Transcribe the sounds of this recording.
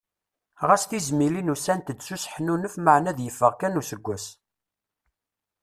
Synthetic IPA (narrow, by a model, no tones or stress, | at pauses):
ʁæsθizmilinusænt̪əd̪susəħnunəfməʕnæðjəfːəʁkænusəɡʷːæs